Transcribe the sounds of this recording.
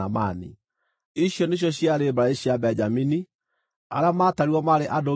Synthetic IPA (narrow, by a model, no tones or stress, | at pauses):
amanḭ | iɕjɔneɕ̬jɔɕjaɾebaɾaeɕiabɛɲd͡ʒamini | a̰ɾamaːtaɾwɔmaɾeʔado